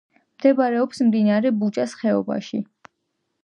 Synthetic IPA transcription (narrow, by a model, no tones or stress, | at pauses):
md̪̥ɛbaɾɛɔpsmd̪inaɾɛbut͡ʃʼasχɛɔba̰ʃi